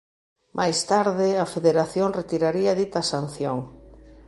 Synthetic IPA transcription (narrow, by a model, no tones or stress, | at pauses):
mʔajst̪aɾðɪɐfeðeɾaθjoŋret̪iɾaɾiɐðit̪ɐsan̟θjoŋ